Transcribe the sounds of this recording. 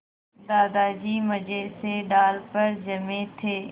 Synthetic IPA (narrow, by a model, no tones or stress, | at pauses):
d̪aːd̪aːd͡ʒiːməd͡ʒeːseːɖaːlpəɾd͡ʒəmẽt̪ʰeː